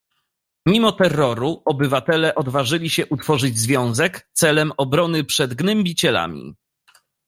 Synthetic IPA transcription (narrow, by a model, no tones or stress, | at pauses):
mʲimɔt̪ɛrːɔɾuɔbɘvat̪ɛlɛʔɔd̪vaʐɘlʲiɕɛʔut̪fɔʐɘd͡ʑzvʲjɔ̃w̃zɛkt̪sɛlɛmɔbɾɔnɘpʂɛd̪ɡnɛmbʲit͡ɕɛla̰mʲḭ